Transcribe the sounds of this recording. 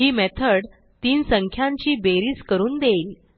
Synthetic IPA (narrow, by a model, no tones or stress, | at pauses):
ɦiːmɛt̪ʰəɽ | t̪iːnsəŋkʰjaɲt͡ɕiːbeɾiːskəɾuːnd̪eiːl